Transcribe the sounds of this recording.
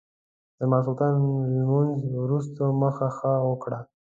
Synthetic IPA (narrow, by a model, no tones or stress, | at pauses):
d̪̥əmɑs̬ult̪ɑnmunzwɾus̬t̪oməxaxəwəkɽa